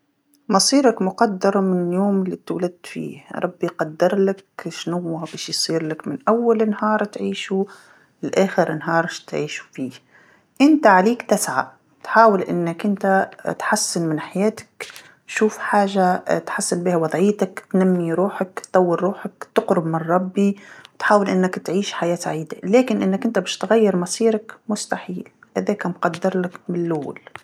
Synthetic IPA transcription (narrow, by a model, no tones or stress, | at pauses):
mɑsˤiːɾakmʊqɑd̪ːɑɾˤmɪnɪljoːmɪlːit̪wlad̪̚fḭːɾˤɑbːijqɑd̪ːɪɾˤlakʃnʊwːabeːʃjsˤiːɾlakmɪnʔawːalɪnhɑːɾˤt̪ʕiːʃu | ɪlʔaːxɪɾɪnɦɑːɾˤt̪ʕiːʃu̥fiːh | ʔɪnt̪aʕaleːkt̪ɪsʕa̰ | t̪ħaːwɪlʔɪ̰nːakʔɪnt̪at̪ħasːɪnmɪnħajeːt̪ḁk | ʃuːfħaːʒat̪ħasːɪnbiːhawɑd̪ˤʕiːt̪akt̪namːiɾuːħakt̪t̪ˤɑwːɪɾɾuːħakt̪ɪqɾʊbmɪnˤɑbːiwt̪ħaːwɪlʔɪnːakt̪ʕiːʃħajaːsaʕiːd̪aleːkɪnʔɪnːakʔɪnt̪abɪːʃt̪ɣajːɪɾmɑsˤiːɾɑkmʊst̪aħiːlʔaðeːkamqɑd̪ːɪɾlakmɪlʔʊwːa̰l